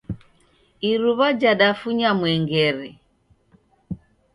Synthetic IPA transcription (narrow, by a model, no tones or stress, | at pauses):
iɾuβad͡ʒaɗafuɲamwɛŋɡɛɾɛ